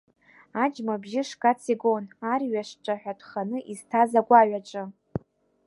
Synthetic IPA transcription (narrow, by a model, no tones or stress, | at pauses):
ad͡ʒmabʒɪʂkʼat͡sʰiɡonariɥaʂʈ͡ʂʼaħᶣatʷʰʼχanɨʔiztʰazaɡʷaɥaʈ͡ʂʼɨ